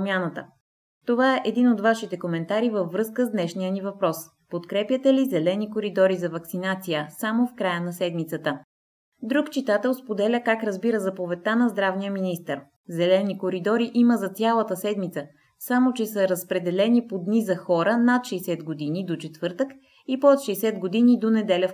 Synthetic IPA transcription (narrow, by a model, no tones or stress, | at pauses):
mʲanət̪ə̰ | t̪ovaɛʔɛd̪inod̪vaʃit̪ɛkomɛnt̪aɾivəvvːɾɤskəzd̪nɛʃnijənivɐpɾɔs | pot̪kɾɛpjət̪ɛlizɛlɛnikoɾid̪ɔɾizɐvɐksinat̪sijəsamofkɾajənɐsɛd̪mit̪sət̪ə | d̪ɾukt͡ʃit̪at̪ɛlˠspod̪ɛlʲəkakɾɐzbiɾəzɐpovɛt̪anɐzd̪ɾavnijəminist̪əɾ | zɛlɛnikoɾid̪ɔɾiʔiməzɐt̪sʲalˠət̪əsɛd̪mit̪sə | samot͡ʃɛsəɾɐspɾɛd̪ɛlɛnipod̪nizɐxɔɾənat̪ʃɛsɛd̪ɡod̪inid̪ot͡ʃɛt̪vɤɾt̪ək | ipot̪ʃɛsɛd̪ɡod̪inid̪onɛd̪ɛlʲəf